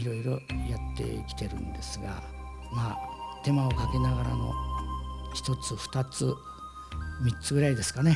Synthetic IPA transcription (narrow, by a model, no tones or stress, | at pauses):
iɾo̞iɾo̞jat̪ːe̞̰kʲi̥t̪e̞ɾɯ̟̰̃nd̪e̞sɨɡa̰ | maːt̪e̞mao̞kake̞naɡaɾano̞̰ | çi̥t̪o̞t͡sɨɸɯ̥t̪at͡sɨ | mʲitt͡sɨɡɯɾaid̪e̞sɨ̥kane̞